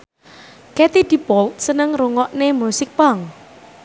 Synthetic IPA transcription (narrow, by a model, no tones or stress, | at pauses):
kɛt̪id̪̥i̤pɔlt̪̚sənəŋruŋɔʔnemusɪk̚paŋ